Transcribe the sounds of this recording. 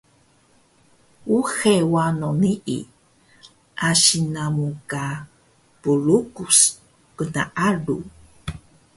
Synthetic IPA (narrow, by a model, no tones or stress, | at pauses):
uxewanoniʔḭ | ʔaʃinamuka | puɭukus | kənaʔaɺṵ